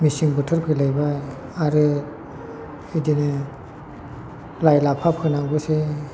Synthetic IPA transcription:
misiŋbɯtʰɯɾkʰɯlajbaj | aɾɯ | idinɯ | lajlapʰap̚kʰɯnaŋbɯse

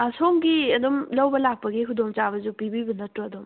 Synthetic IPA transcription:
soŋɡiɐd̪umlɐwbɐlak̚pɐɡikʰudoŋt͡ʃaβɐzupibibunɐtɾuɐd̪um

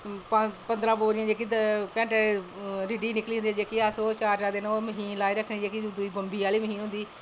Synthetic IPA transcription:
ppənd̪ɾãːʋoːɾɪjãːd͡ʒeːkikɛ̃ːʈɛɾɪɖiːnɪkliːɦʊnd̪iːd͡ʒeːkiaːsoːt͡ʃaːɾd͡ʒaːd̪eːnoməɦiːnlaːiɾəkʰnẽːd͡ʒeːkid̪ʊiːbəmbiːaːliːməɦiːnɦʊ̃nd̪iː

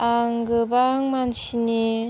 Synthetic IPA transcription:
aŋɡɯbaŋmansini

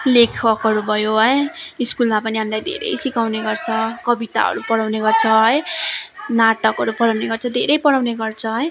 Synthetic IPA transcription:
lekʰʌkʌɾubʱʌjoɦʌjiskulmapʌniɦamilajd̪ʱḛɾʌ̰jsikawneɡʌrt͡sʰʌkʌbit̪a̰ʌ̰ɾupʌɽawneɡʌrt͡sʰʌɦʌj | naʈʌkʌɾupʌɽawneɡʌrt͡sʰʌd̪ʱeɾʌjpʌɽawneɡʌrt͡sʰʌɦʌj

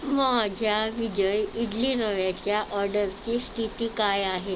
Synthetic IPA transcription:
mɔɦad͡ʑʱjaʋid͡ʑəjiɖliːnəʋjat͡ɕjaʔɔɾɖəɾt͡ɕiːst̪ʰit̪iːkajaɦe

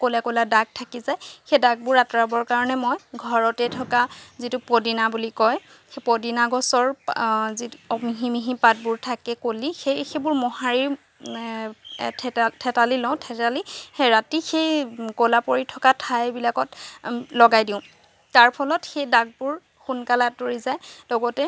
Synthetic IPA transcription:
kolakoladaɡ̚tʰakizajxejdaɡ̚bʊɹatɔɹabɔɹkaɹɔnɛmɔjɡʱɔɹɔtɛtʰɔkazitʊpodinabulikɔj | xepoɔdinaɡɔsɔɹziɔmiɦimiɦipat̚bʊɹtʰakɛkolixejxejbʊɹmɔɦaɹiɹ | tʰtʰɛtalilɔw̃tʰɛtaliɹatixejkolapoɹitʰɔkatʰajbilakɔtlɔɡajdiʊ̃ | taɹpʰɔlɔtxejdaɡ̚bʊɹ | xunkalatoɹizajdɔɡɔtɛ

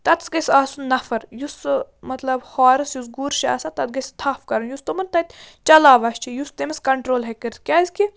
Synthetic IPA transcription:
t̪ɐt̪sɡɐsʲaːsunːɐfɐɾjusmɐt̪lɐbhaːɾɨsjusɡuɾʃa̰ːsaːt̪ɐt̪̚ɡɐsʲt̪ʰaːfkɐɾɐnjust̪umɐnt̪ɐt̪ʲt͡ʃɐlaːʋɐst͡ʃʰijust̪emɐskɐɳʈɾoːlɦekɐɾt̪̚kʲaːiski

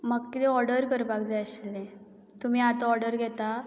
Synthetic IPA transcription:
məɡkit̪ɛɔɾɽəɾkəɾbakd͡zaəɕilːɛ̃ | t̪um̤iːat̪oɔɾɽəɾɡʱɛt̪a

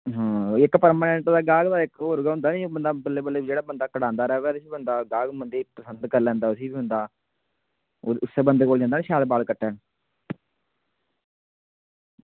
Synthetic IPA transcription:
ɦãːɪkpəɾməːnɛ̃ɳʈd̪aːɡaːɡd̪aːɪkɦoːɾɡaːɦʊ̃nd̪aːnĩːbənd̪aːbəlːeːbəlːeːd͡ʒeːɽaːbənd̪aːkəɽãːnd̪aːɾɛːʋɛːd̪esiːbənd̪aːɡaːɡmənd̪iːpəsənd̪kəɾlɛ̃ːnd̪aːʊsiːbiːɦʊ̃nd̪aː | ʊsːeːbənd̪koːld͡ʒãːnd̪aːneʃaːd̪baːlkəʈːɛːn

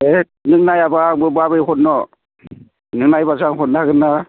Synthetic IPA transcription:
e | nɯŋnajabaŋbɯbabɯjɦɔt̚nɔ | nɯŋnajbasaŋɦɔt̚naɡɯnːa

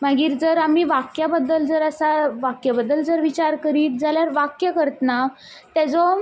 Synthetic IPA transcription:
maɡiːɾd͡zəɾam̤iːʋakjabəd̪ːəld͡zəɾəsaʋakjəbəd̪ːəld͡zəɾʋit͡ɕaɾkəɾiːt̪̚d͡zaljaɾʋakjəkəɾət̪əna | t̪ɛd͡zɔ

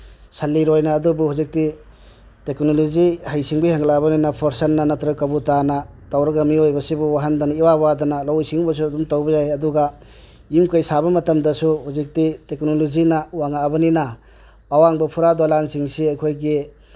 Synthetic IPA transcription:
sɐlːiɾojnaːdubuhuzik̚ti | teknolozihajsiŋbijhaŋlabɐninɐpʰoɾsɐnːanɐtɾɐkːabutanɐtawɾɐɡɐmiojbɐsibuwaɦandaniwabadɐnalawjsiŋubɐs̬uɐdumtawbɐjajɐduɡa | imkajsabɐmɐtɐmdɐsuhuzik̚titeknolozinawaŋabɐninɐː | waŋbɐpʰuɾadwalansiŋsiajkʰojɡi

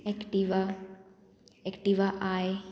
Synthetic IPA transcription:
ɛkʈiʋa | ɛkʈiʋaʔaj

